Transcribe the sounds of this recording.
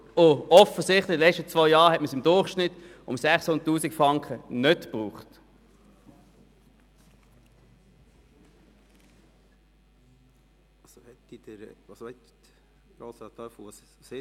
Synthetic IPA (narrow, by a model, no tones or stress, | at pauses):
ʊɔfəsɪχtlɪdəlɛt͡ʃtət͡svɔʏjɑːʁhɛtməsɪmdʊχʃnɪtʊ̰msæχsʊndtːuːsikfʁɑŋkʰənœtpʁuːχt | ɑsohɛt̪ːid̪̥əɾɑsɛt̪ | ɾoːsɑt̪œfuɑs | se